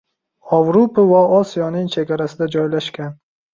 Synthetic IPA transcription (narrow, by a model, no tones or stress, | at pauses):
avɾopʰavaɒsijɒnɪŋt͡ʃʰe̞ɡʲaɾasɪd̪ad͡ʒɒjlaʃkʲan